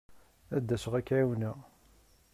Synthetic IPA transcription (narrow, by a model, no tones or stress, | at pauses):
æd̪ːæsəʁækːʕawnæ